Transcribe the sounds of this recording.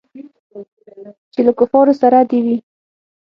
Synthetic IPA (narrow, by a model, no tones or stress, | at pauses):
t͡ʃelakʊfɑɾosaɾad̪ewi